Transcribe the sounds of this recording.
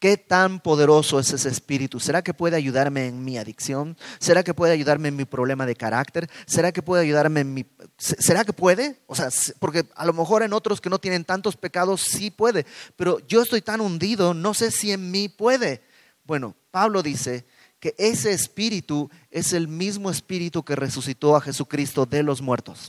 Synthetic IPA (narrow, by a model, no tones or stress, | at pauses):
ke̞t̪ampo̞ðe̞ɾo̞so̞eseseːspiɾit̪use̞ɾake̞pwe̞ðeaʝuðaɾme̞ːnmiaðiksjo̞nse̞ɾake̞pwe̞ðeaʝuðaɾme̞nmipɾo̞β̞le̞maðe̞kaɾakt̪e̞ɾse̞ɾakepwe̞ðeaʝuðaɾme̞nmisese̞ɾake̞pwe̞ðe̞oseaspo̞ɾke̞a̰lo̞me̞xo̞ɾano̞t̪ɾoske̞no̞t̪je̞ne̞nt̪ant̪o̞spe̞kaðo̞sːipwe̞ðe̞pe̞ɾo̞ʝo̞est̪o̞jt̪anund̪iðo̞no̞se̞sie̞nmipwe̞ðe̞ | bwe̞no̞̰paβlo̞ðise̞ | ke̞ʔe̞se̞ːspiɾit̪u | e̞se̞lmizmo̞e̞spiɾit̪uke̞re̞susit̪o̞axe̞sukɾist̪o̞ðe̞lo̞zmwe̞ɾt̪o̞s